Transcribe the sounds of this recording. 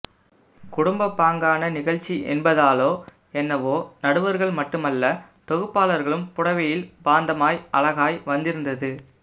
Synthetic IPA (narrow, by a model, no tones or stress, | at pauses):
kʊɽʊmbɐpːaːŋɡaːnɐnɪɣɐɭt͡ʃːiʔɛ̰nbɐðaːloː | ɛnːɐʋoːnɐɽɯʋɐɾɣɐɭmɐʈːɯmɐlːɐ | t̪ɔɣɯpːaːlɐɾɣɐɭɯmpʊɽɐʋɐjɪlbaːnd̪ɐmaːjɐɭɐɣaːjʋɐnd̪ɪɾɯnd̪ɐðɯ